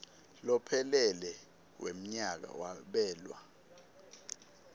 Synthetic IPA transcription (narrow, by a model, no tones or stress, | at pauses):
lɔpʰɛlɛlɛ | wʔḛm̩ɲak̬a̰waɓɛːlwa̰